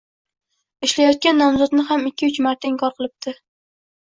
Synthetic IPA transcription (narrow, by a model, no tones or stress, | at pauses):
ɪʃlajɒt̪̚kʲanːɒmzɒd̪nɪɦamɪkʲʰːɪʊt͡ʃmaɾt̪ʰaɪŋkʰɒɾqɨlˠɪp̚t̪ʰɪ